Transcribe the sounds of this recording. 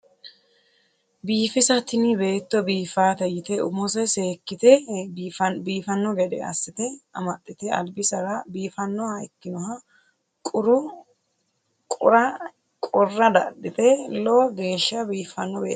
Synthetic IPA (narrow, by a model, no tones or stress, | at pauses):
biːfɪsɐt̪ɪnɪbe̞ːt̪ːɔbiːfaːt̪ɛjɪt̪ɛʊ̰mɔsɛseːkːɪt̪ɛ | biːfɐnːɔɡɛd̪ɛ̰ɐ̰sːɪt̪ɛɐmɐt̪ʼːɪt̪ɛɐ̰lbɪsɐɾɐbiːfɐnːɔhɐɪkːɪnɔhɐ | kʼʊɾʊ | kʼʊɾɐ | kʼɔrːɐd̪ɐd̪ːɪt̪ɛloːɡe̞ːʃːɐbiːfɐnːɔbeː